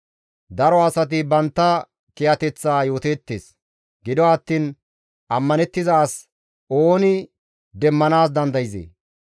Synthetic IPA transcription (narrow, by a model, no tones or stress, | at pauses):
d̪ɐɾɔɐsɐt̪̬ɪbɐnt̪ːɐ | kɪjɐt̪ɛt͡sːaːjo̞ːt̪eːt̪ːḛːs | ɡɪd̪ɔwaɐt̪ːiːn | ʔɐmːɐnɛt̪ːɪzaːs | ʔoːnɪ | d̪ɛmːɐnaːs̬d̪ɐnd̪ɐjɪzḛː